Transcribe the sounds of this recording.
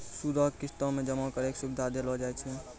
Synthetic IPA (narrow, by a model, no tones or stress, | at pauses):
suɾɔkist̪ɔ̃mẽd͡ʒəmãkəɾeksubd̪ʱad̪elɔd͡ʒajt͡ʃʰɛ